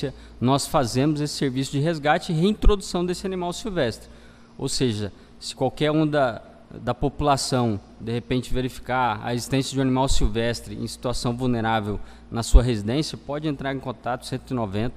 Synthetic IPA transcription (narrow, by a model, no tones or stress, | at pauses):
ɐ | nɔsfazẽmʊzesɪ̥seɾvisʊd͡ʒɪɦezɡat͡ʃɪɪɦeĩt̪ɾod̪usɐ̃w̃d̪esɪanimawsiwvɛst̪ɾɪ | o̰wseʒɐ | sɪ̥kwawkɛɾũd̪ɐ | d̪ɐpopulasɐ̃w̃ | d̪ehepẽnt͡ʃɪveɾifi̥kaɾɐ̰ezist̪ẽsjɐd͡ʒɪ̃ũanimawsiwvɛst̪ɾɪʔḛ̃si̥t̪uasɐ̃w̃vuwneɾavew | nɐsuɐɦezid̪ẽsjɐpɔd͡ʒɪẽnt̪ɾaɾẽkõnt̪at̪ʊ̥sẽnt̪ʊinovẽnt̪ɐ